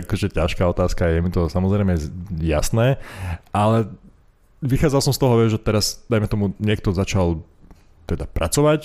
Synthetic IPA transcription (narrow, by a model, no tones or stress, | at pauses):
akɔʒɛcaʃkaːɔt̪aːskajɛmit̪ɔsamɔzɾɛɪmɛja̰snɛːʔalɛ | ʋixaːd͡zalˠsɔmst̪ɔɦɔʋɪɛʒʒɛt̪ɛɾasd̪̥ajmɛt̪ɔmuɲɪɛk̚t̪ɔzat͡ʃal | t̪ɛd̪apɾʔa̰t͡sɔʋac